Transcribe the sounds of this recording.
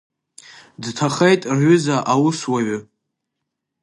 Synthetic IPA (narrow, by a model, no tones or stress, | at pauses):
dtʰaχejtʼrʕʏzaʔawʊswaɥʏ